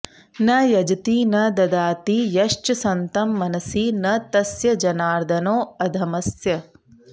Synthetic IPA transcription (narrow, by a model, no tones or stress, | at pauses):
nɐjɐd͡ʒɐt̪iːnɐd̪ɐd̪aːt̪iːjɐʂt͡ʃɐsɐnt̪ɐmːɐnɐsiːnɐt̪ɐsjɐd͡ʒɐnaːɾd̪ʱɐnoːɐd̪ʱɐmɐsjɐ